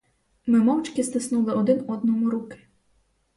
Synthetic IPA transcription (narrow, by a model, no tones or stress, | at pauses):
mɪmɔwt͡ʃkɪst̪ɪsnulˠɪɔd̪ɪnɔd̪nɔmʊɾukɪ̥